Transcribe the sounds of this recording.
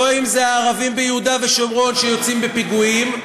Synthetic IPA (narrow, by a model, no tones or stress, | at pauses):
oimzeaːʁavimbejehud̪ave̞ʃo̞mʁo̞nʃe̞jo̞t͡simbepiɡuim